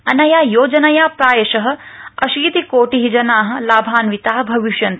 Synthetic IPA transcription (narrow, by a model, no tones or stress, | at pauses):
ɐnɐjaːjoːd͡ʒɐnɐjaːpɾaːjɐʃɐɦɐ̆ɐ̰ʃiːt̪ikoːʈiɦid͡ʒɐnaːɦɐ̆laːbʱaːnʋit̪aːɦɐbʱɐʋiʃjɐnt̪